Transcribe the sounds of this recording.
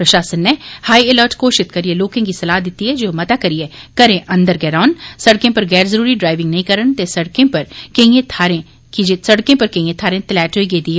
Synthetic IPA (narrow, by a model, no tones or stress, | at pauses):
pɾɐʃaːsənːɛhaːiɪləɾʈkoːʃɪt̪kɐɾieloːkẽkisɐlaːd̪ɪt̪iɦɛd͡ʒoːmɐt̪akɐɾiekɐɾẽʔɐ̃nd̪əɾɡɛːɾaːʋnsɐɽkẽpɐɾɡɛːɾzəɾuːɾiɖɾaːɪʋɪ̃ŋɡnɐɦĩkɐɾənt̪esɐɽkẽpɐɾkɐ̃ĩẽt̪ʰaːɾẽ | kid͡ʒsɐɽkẽpɐɾkɐ̃ĩẽt̪ʰaːɾẽt̪ɪlɛːʈɦoːiɡeːd̪iɦɛ